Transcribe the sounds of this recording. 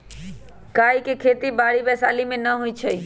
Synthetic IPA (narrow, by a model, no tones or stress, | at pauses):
kaːikekʰeːt̪ibaːɽibɛːsaːlimẽnɐɦʊit͡ʃʰɐi